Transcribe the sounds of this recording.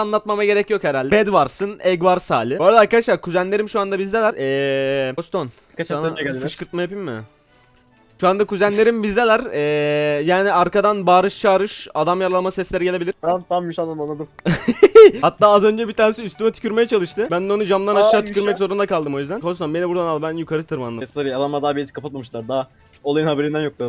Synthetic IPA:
anlˠat̪mamaɟe̞ɾɛcjo̞kheɾalʲd̪ɛbɛd̪vaɾsɯnɛɡvaɾsa̰ːlʲɪbojɾaɾkad̪aʃlˠaɾkʰuzænlʲe̞ɾimʃuand̪abizd̪elʲæɾɛːost̪on | anʰʃkʰɯɾt̪̚majapimːmɪ̰ | ʃuand̪akʰuzænlʲe̞ɾimbizd̪elʲæɾɛːjaːniaɾkad̪anbaːɾɯʃt͡ʃʰaːɾɯʃad̪amjaɾalˠlˠmasɛslʲeɾiɟeebilʲiɾt̪ʰamt̪ʰamjyʃand̪ananlˠad̪ɯm | hat̪ːaːazø̞nd͡ʒɛbit̪ʰaːɾnesiyst̪ʰymɛt̪ʰy̥cyɾmejɛt͡ʃʰalˠɯʃt̪ʰɯbænd̪ɛo̞nud͡ʒamd̪ˠaɾnaʃʃaːt̪ycʰyɾmɛczo̞ɾund̪akalˠd̪ɯmo̞jyzd̪ænkʰost̪onbe̞nibuɾd̪analˠbænjukʰaɾɯt̪ʰɯɾmanːˠasaɾialˠamad̪aːbiizi̥kʰapʰat̪̚mamɯʃlˠaɾd̪a | olˠajɯnhabeɾind̪ænjok̚lˠad̪ɯ

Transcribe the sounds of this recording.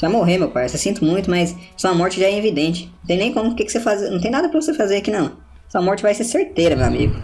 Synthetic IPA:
svajmoɦemewpajosesĩnt̪ʊmũj̃t̪ʊmɐjssõɐmɔɾt͡ʃɪʒaɛevid̪ẽnt͡ʃɪ̥nɐ̃t̪ẽj̃nẽj̃kõmʊkɪkɪ̥sefaznɐ̃w̃t̪ẽj̃nad̪ɐpɾɐvosefazeɾɐkinɐ̃w̃ | sɐmɔɾt͡ʃɪvajseɾseɾt̪eɾɐmewa̰mḭɡʊ

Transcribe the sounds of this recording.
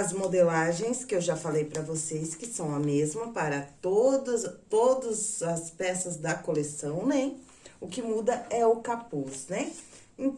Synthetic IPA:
ɐzmod̪elaʒẽj̃skɪewʒafalejpɾɐvoseskɪsɐ̃w̃ɐmezmɐpaɾɐt̪od̪ɐzt̪od̪ɐzɐspɛsɐzd̪ɐkolesɐ̃w̃nẽj | ʊkɪmud̪ɐɛʊkapusnɛ | ĩ

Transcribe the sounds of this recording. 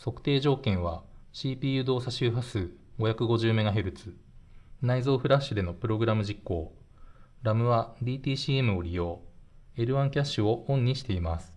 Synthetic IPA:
so̞kɯ̟̥t̪e̞ːʑo̞ːkẽ̞ɰ̃βaɕiːpʲiːjɯ̟d̪o̞ːsaɕɨːɸasɨɡo̞çakɯ̟ɡo̞ʑɨːme̞ɡaɦe̞ɾɯ̟t͡sɨ | naizo̞ːɸɯ̟ɾaɕːɨd̪e̞no̞pɯ̟ɾo̞ɡɯ̟ɾamɯ̟ʑikːo̞ː | ɾamɯ̟βad̪ʲiːt̪ʲiːɕiːe̞mɯ̟o̞ɾʲijo̞ːe̞ɾɯ̟βãŋkʲaɕːɨo̞õ̞ɲ̟ːiɕi̥t̪e̞imasɨ̥

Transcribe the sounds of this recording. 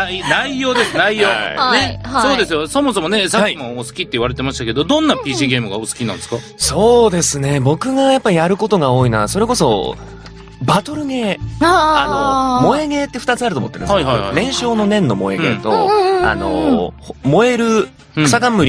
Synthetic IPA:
inaijo̞ːd̪e̞ssɨnaijoːnehasoːdd̪e̞sɨjoso̞mosomo̞ne̞saaiimoosɨ̥kʲit̪ːe̞iβaɾe̞t̪e̞maɕi̥t̪aked̪od̪õ̞nːapʲiːɕiːɡe̞ːmɯɡaosɨ̥kʲinã̰nd̪eska | so̞ːd̪e̞sɨne̞bo̞kɯ̟ɡajapːaijaɾɯ̟ko̞t̪o̞ɡao̞ːinaso̞ɾe̞ko̞so̞̰ | bat̪o̞ɾɯ̟ɡe̞ːanomo̞eɡe̞ːt̪ːeɸɯ̟t̪at͡sɨaɾɯ̟omt̪ːeɾɯ̰̃neaihaja̰ɾẽ̞ɰ̃ɕo̞ːno̞nẽ̞nːo̞mo̞̰e̞̰ɡe̞̰ːt̪o̞a̰no̞̰hmo̞e̞ɾɯ̟ | sakãmːɯ̟ɾʲ

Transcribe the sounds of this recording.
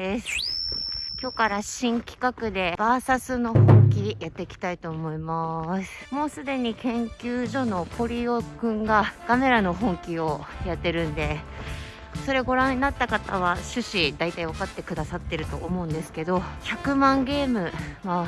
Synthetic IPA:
esɨ̥ | kʲo̞ːkaɾaɕĩŋkʲi̥kakɯ̟d̪e̞b̥aːsasɨno̞hõ̞ŋkʲijat̪ːe̞kʲi̥t̪ait̪o̞ːmo̞imasɨ̥mo̞ːsɨd̪e̞ɲ̟ikẽ̞ŋkʲɨːʑo̞no̞kʰo̞ɾʲio̞kɯ̟̃ŋɡakame̞ɾano̞ɦõ̞ŋkʲio̞jat̪ːe̞ɾɯ̟̃nd̪e̞ | so̞ɾe̞ɡo̞ɾãnːat̪ːakat̪aβ̞aɕɨɕid̪ait̪aiβakat̪ːe̞kɯ̟d̪asat̪ːe̞ɾɯ̟t̪o̞ʔomo̞ɯ̟̃nd̪e̞sɨ̥ke̞d̪o̞çakɯ̟mãŋɡe̞ːmɯ̟ma

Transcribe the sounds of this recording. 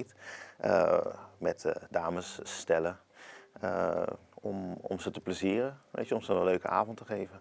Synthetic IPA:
təmɛtdaːməsːtɛlə | ɔmɔ̰msətəpləziːrəʋḛjtjəɔmsənənløːkə̰a̰ːvɔntəχeːvə

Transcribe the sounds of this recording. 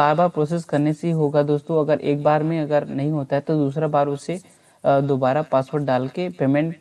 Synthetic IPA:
aːɾbaːɾpɾɔːs̬eskɐɾneseɦiɦoːɡad̪oːst̪õɐɡəɾʔḛːk̚baːɾmẽɐɡəɾnɐɦĩɦoːt̪aɦɛt̪od̪uːs̬ɾabaːɾʊse | d̪oːbaːɾapaːspoːɾʈ̚ɖaːlkepeːmɛ̃ɳʈ

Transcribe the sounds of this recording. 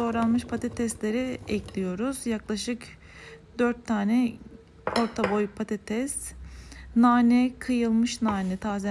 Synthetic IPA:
o̞ɾanˠmɯʃpʰat̪ʰet̪ʰɛst̪lʲe̞ɾiɛclʲijo̞ɾuzjaklˠaʃɯk | d̪øɾt̪ʰːaːnɛ | o̞ɾt̪ʰabo̞jpʰat̪ʰet̪ʰɛst̪ | naːnɛkʰɯjɯlˠmɯʃnaːnɛt̪ʰaːzɛ

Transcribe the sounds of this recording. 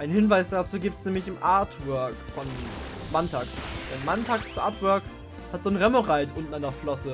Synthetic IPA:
ʔaɪnhɪnvaɪsd̥at͡suːɡiːp̚tsnɛːmlɪçɪmʔaːɐtvœɐkfɔn | mantʰaːksd̥ɛnmantʰaːkst͡sʔa̰ːɐtv̥œɐk | hatz̥oːnʁɛməʁaɪtʔʊntn̩andɐflɔsə

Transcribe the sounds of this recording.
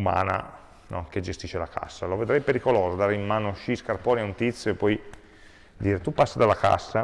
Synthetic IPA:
ma̰ːna̰ | nɔk̟ed͡ʒest̪iːʃːelakʰa̰sːaloved̪ɾɛjpeɾikoloːzod̪aːɾeimmaːnoʃiskarpɔːnjaunt̪it̪sːjoepːɔj | d̪iːɾet̪upːasːad̪alːaka̰sːa

